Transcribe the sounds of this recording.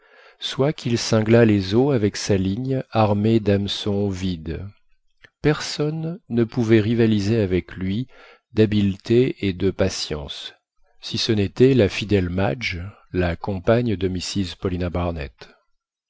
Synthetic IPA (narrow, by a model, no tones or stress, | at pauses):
swakʰilsɛ̃ɡlalezoavɛksaliɲaʁmed̪amsɔ̃vid̪ | pɛʁsɔnːəpuvɛʁivalizeavɛklɥi | d̪abilt̪ʰeed̪əpasjɑ̰̃sː | isənet̪ɛlafid̪ɛlmad͡ʒ | lakɔ̃paɲd̪əmisizpɔlinabaʁnɛ̰t̪